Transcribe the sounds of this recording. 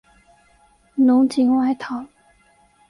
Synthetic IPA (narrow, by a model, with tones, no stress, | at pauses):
nʊ˧˥ŋt͡ɕi˧˥ŋwa˥˩ɪt̪ʰɑ˨˦ʊ